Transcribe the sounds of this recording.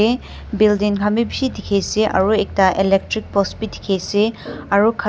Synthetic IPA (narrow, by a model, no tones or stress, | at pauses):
e | bildiŋkʰamibisidʱikʰejseʔɐ̰ɾuek̚taʔelek̚tɾik̚pɔspidi̥kʰejseɐɾukʰ